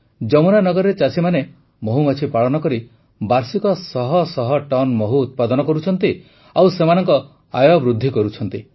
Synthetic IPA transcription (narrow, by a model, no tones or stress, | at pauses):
d͡ʒɔmunanɔɡɔɾɾet͡ʃasʰimane | moɦumat͡ʃʰipaɭɔnɔkɔɾi | baɾsikɔsɔɦɔsɔɦɔʈɔnmɔɦuːt̪̚pad̪ɔnɔkɔɾut͡ʃʰɔnt̪i | awsemanɔŋkɔ | a̰jɔbɾud̪ʱːikɔɾut͡ʃʰɔnt̪i